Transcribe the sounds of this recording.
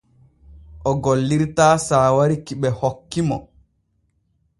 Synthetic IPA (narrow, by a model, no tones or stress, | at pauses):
ʔɔɡolːiɾtaːsaːwaɾikiɓɛhokːimɔ̰